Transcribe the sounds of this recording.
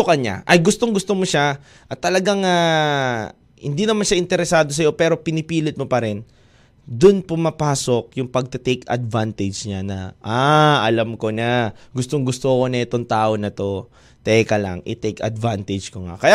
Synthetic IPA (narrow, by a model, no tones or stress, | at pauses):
okɐɲa̰ʔɐjɡʊst̪o̞ŋɡʊst̪omoʃa | ʔɐt̪ːɐlɐɡaŋa | hɪ̰nd̪inɐmanʃaʔɪnt̪ɛɾɛsaːd̪o̞s̬ɐjo̞pɛːɾo̞pɪnɪpiːlɪt̪̚mopɐɾɛn | d̪ʊnpʊmɐpaːso̞k̚jʊŋpɐɡ̚t̪ɐt̪ɛjkʰɐ̰d̪vant̪ɛd͡ʒɲanɐ̰ʔaɐlamko̞nɐɡʊst̪oŋɡʊst̪oɐko̞nɐʔɛt̪o̞ŋt̪aːʔo̞nɐt̪o̞ | t̪ɛkɐla̰ŋɪt̪ɛjkɐ̰d̪vant̪ɛd͡ʒkoŋa̰kɐja